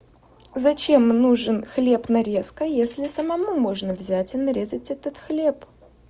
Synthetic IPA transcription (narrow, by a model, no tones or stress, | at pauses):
zɐt͡ɕe̞mnuʐɨnxlʲe̞pnɐɾʲe̞skəjesʲlʲɪsəmɐmumoʐnəvzʲætʲɪnɐɾʲezətʲɛt̪ət̪xlʲe̞p